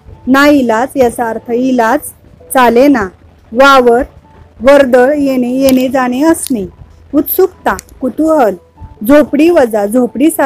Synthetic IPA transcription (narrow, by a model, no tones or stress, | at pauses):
nailat͡sjasaːɾt̪ʰəilat͡s | t͡salena | ʋaʋəɾ | ʋəɾd̪əɭjenejened͡zaɽ̃eəsni | ut̪sukt̪ãkut̪uɦəl | d͡zʱopɽiʋəd͡zad͡zʱopɽisa